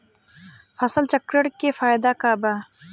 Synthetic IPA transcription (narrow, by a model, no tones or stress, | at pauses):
pʰɐsəlt͡ʃəkɾəɽkefʰaːjd̪akaba